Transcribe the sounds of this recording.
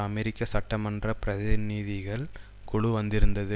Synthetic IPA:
ɐmɛɾɪkːɐsɐʈːɐmɐndrɐpɪɾɐðɪniːðɪɣɐɭ | kʊɽuʋɐnd̪ɪɾɯnd̪ɐðɯ

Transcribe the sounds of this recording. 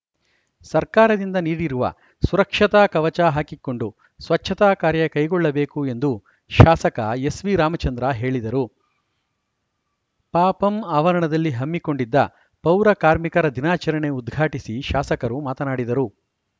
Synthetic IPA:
sɐɾkaːɾɐd̪ind̪ɐniːɽiɾuʋɐ̰ | suɾɐkʂɐt̪aːkɐʋɐt͡ʃaːɦaːkikːo̞ɳɖu | sʋɐt͡ʃʰːɐt̪aːkaːɾjɐkɐjɡɔɭːɐbe̞ːkue̞nd̪u | ʃaːsɐkɐ̰e̞sʋiɾaːmɐt͡ʃɐnd̪ɾɐɦe̞ːɭid̪ɐɾu | paːpɐmaːʋɐɾɐɳɐd̪ɐlːiɦɐmːiko̞ɳɖid̪ːɐ̰ | pɐwɾɐkaːɾmikɐɾɐd̪inaːt͡ʃɐɾɐɳe̞ud̪ɡʱaːʈisiʃaːsɐkɐɾumaːt̪ɐnaːɽid̪ɐɾu

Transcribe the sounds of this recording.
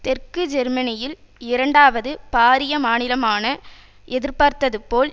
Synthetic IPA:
t̪ɛrkɯd͡ʒɛɾmɐnɪjɪl | ɪɾɐɳɖaːʋɐðɯpaːɾɪjɐmaːnɪlɐmaːnɐ | ʔɛðɪɾpɐɾt̪ɐðɯpoːl

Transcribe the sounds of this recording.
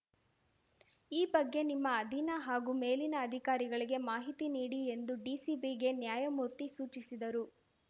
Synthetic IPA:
iːbɐɡːe̞nimːɐːd̪ʱinɐɦaːɡuːme̞ːlinɐːd̪ʱikaːɾiɡɐɭiɡe̞maːɦit̪iniːɽie̞nd̪uɖisibiɡe̞njaːjɐmuːɾt̪isuːt͡ʃisid̪ɐɾu

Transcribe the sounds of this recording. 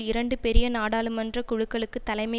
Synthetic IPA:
ɪɾɐɳɖɯpɛɾɪjɐnaːɽaːɭɯmɐndrɐkʊɻɯkːɐɭɯkːɯt̪ːɐlɐɪmɐ

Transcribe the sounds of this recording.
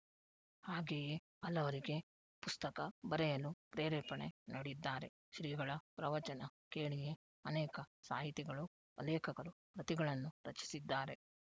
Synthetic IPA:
haːɡeːje | ɐlːɐʋɐɾiɡe̞ | pust̪ɐkɐbɐɾɛjɐlupɾeːɾɛːpɐɳḛnɐɽid̪ːaːɾe̞̰ | ʃɾiːɡɐɭɐpɾɐʋɐt͡ʃɐnɐkeːɭije | ɐnɛːkɐsa̰ːɦit̪iɡɐɭu | pɐlɛːkɐɡɐɾu | pɾɐt̪iɡɐɭɐnːuɾɐt͡ʃi̥sid̪ːaːɾe̞

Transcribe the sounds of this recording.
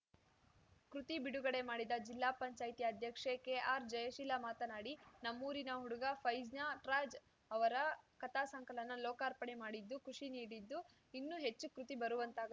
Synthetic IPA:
kɾut̪ibiɽuɡɐɽe̞maːɽid̪ɐd͡ʒilːaːpɐɲt͡ʃaːjt̪ijɐd̪ʱjɐkʂekeʔaːɾd͡ʒɐjɐʃilɐmaːt̪ɐnaːɽinɐmːuːɾinɐɦuɽuɡɐpʰɐjd͡ʒnaʈɾaːd͡ʒ | ɐʋɐɾɐkɐt̪ʰaːsɐŋkɐlɐnːɐlɔːkaːɾpɐɳemaːɽid̪ːukuʂiniːɽid̪ːu | inːuɦe̞t͡ʃːukɾut̪ibɐɾuʋɐnt̪aːɡɐ

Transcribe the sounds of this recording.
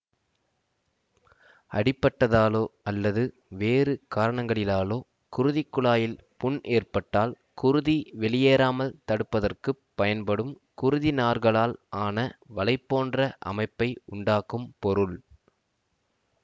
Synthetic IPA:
ɐ̰ɽɪpːɐʈːɐðaːloːɐlːɐðɯ | ʋeːrɯkaːɾɐɳɐŋɡɐɭɪlaːloː | kʊɾɯðɪkːʊɭaːjɪlpʊɳʔeːrpɐʈːaːl | kʊɾɯðiʋɛɭɪjeːɾaːmɐlt̪ɐɽɯpːɐðɐrkɯpːɐjɐnpɐɽɯm | kʊɾɯðinaːrɣɐɭaːlaːnɐʋɐlɐɪpːoːndrɐʔɐ̰mɐɪpːɐɪʊɳɖaːkɯmpɔɾɯɭ

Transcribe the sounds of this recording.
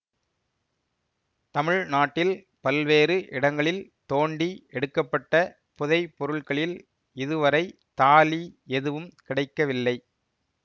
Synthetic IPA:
t̪ɐmɪɻnaːʈːɪl | pɐlʋeːrɯʔɪɽɐŋɡɐɭɪlt̪oːɳɖiɛɽɯkːɐpːɐʈːɐ | pʊðɐɪpːɔɾɯɭkɐɭɪl | ɪðɯʋɐɾɐɪ | t̪aːliɛðɯʋɯmkɪɽɐɪkːɐʋɪlːɐɪ

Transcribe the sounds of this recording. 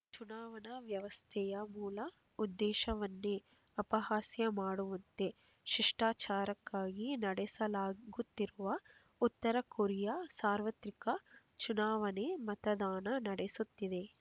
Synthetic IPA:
t͡ʃunaːʋɐnɐʋjɐʋɐst̪ʰɛjɐmuːlɐ | ud̪ːɛːʃɐʋɐnːe | ɐpɐhaːsjɐmaːɽuʋɐnt̪e̞ | ʃiʂʈaːt͡ʃaːɾɐkːaːɡinɐɽɛsɐlaːɡut̪ːiɾuʋɐ | ut̪ːɐɾɐkoɾijasaːɾʋɐt̪ɾikɐ | t͡ʃunaːʋɐnemɐt̪ɐd̪aːnɐnɐɽesut̪ːid̪e̞

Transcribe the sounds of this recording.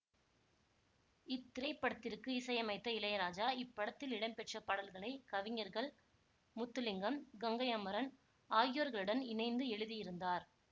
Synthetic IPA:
ɪt̪ːɪɾɐɪpːɐɽɐt̪ːɪrkɯɪsɐjɐmɐɪt̪ːɐɪlɐjɐɾaːd͡ʒaːɪpːɐɽɐt̪ːɪlɪɽɐnpɛʈrɐpɐɽɐlɣɐɭɐɪkɐʋɪɲɐɾɣɐɭ | mʊt̪ːɯlɪŋɡɐmɡɐŋɡɐɪɐmɐɾɐn | aːjɪjoɾɣɐɭɯɽɐnɪnɐɪnd̪ɯɛɻɯðijɪɾɯnd̪aːɾ

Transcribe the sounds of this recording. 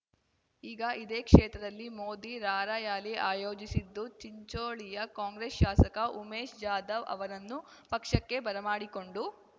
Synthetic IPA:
iːɡɐʔid̪eːkʂɛːt̪ɾɐd̪ɐlːimoːd̪iɾaːɾaːjaːliʔaːjo̞ːd͡ʒisid̪ːut͡ʃiɲt͡ʃoːɭijɐkaːŋɡɾesʃaːsɐkɐʔumeːʃd͡ʒaːd̪ɐʋɐ̰ʋɐɾɐnːupɐkʂɐkːe̞bɐɾɐmaːɽiko̞ɳɖu

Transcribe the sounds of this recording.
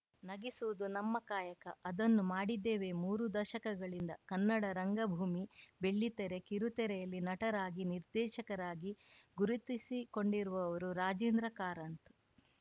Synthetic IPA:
nɐɡisuʋud̪unɐmːɐkaːjɐkɐ̰ʔɐd̪ɐnːumaːɽid̪ːeːʋe̞muːɾud̪ɐʃɐkɐɡɐɭind̪ɐkɐnːɐɽɐɾɐŋɡɐbʱuːmibe̞ɭːit̪ɛɾe̞kiɾut̪ɛɾɛjɐlːinɐʈɐɾaːɡiniɾd̪ɛːʃɐkɐɾaːɡiɡuɾut̪isiko̞ɳɖiɾuʋɐːʋɐɾuɾaːd͡ʒiːnd̪ɾɐkaːɾɐnt̪

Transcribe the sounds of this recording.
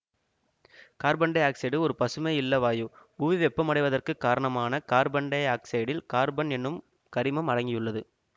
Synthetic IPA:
kaːɾbɐɳɖɐaːksɐɪɽɯɔɾɯpɐsɯmeɪlːɐʋaːjoːbuʋɪʋɛpːɐmɐɽɐɪʋɐðɐrkɯkːaːɾɐɳɐmaːnɐkaːɾbɐɳɖɐaːksɐjɽɪlkaːɾbɐnɛnːɯm | kɐɾɪmɐmɐɽɐŋɡɪjɯɭːɐðɯ

